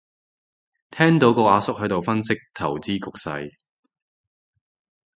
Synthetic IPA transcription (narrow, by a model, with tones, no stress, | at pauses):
t̪ʰɛː˥ŋt̪o˨˥wkɔː˧ʔaː˨˧sʊ˥k̚hɵ˨˥jt̪o˨wfɐ˥nsɪ˥k̚t̪ʰɐ̰˨˩wt͡siː˥kʊ˨k̚sɐ̰˧j